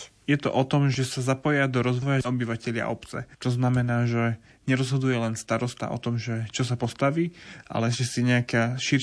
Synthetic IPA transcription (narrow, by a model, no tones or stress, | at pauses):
jɛt̪ɔ̰ʔɔt̪ɔmʒɛsazapɔjad̪ɔɾɔzʋɔjaɔbiʋacɛʎɪa̰ʔɔ̰pt͡sɛ̰t͡ʃ̪ɔznamɛnaːʒɛ | ɲɛɾɔzɦɔd̪ujɛlɛnst̪aɾɔst̪a̰ʔɔ̰t̪ɔmʒɛt͡ʃɔs̬apɔst̪aʋiːʔa̰lɛʒɛsiɲɛakaʃiɾ